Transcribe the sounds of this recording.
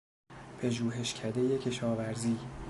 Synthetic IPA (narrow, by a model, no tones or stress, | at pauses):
pʰeʒuːɦe̞ʃcʲʰæd̪e̞je̞cʰe̞ʃɒːvæɾziː